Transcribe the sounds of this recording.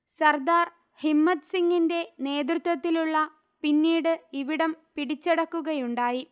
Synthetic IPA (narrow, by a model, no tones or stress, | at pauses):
sɐrd̪aːr | himːɐt̪siŋɡinde̞ne̞ːd̪rut̪ːwɐt̪ːiluɭːɐ | pinːiːɽɨiʋiɽɐmpiɽit͡ɕːeɽɐkːuɣɐjuɳɖaːji